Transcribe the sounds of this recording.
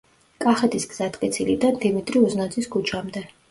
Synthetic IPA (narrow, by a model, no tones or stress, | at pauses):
kʼaχɛt̪ʰisɡz̥at̪ʼqʼit̪sʰilid̪and̪imit̪ʼɾiuznad̪zʰiskʼut͡ʃʰamd̪ɛ